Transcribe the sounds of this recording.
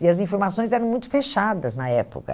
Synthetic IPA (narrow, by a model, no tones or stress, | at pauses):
iɐzĩfoɾmasõj̃zɛɾɐ̃w̃mũj̃t̪ʊ̥feʃad̪ɐznɐɛpʊ̰kɐ̰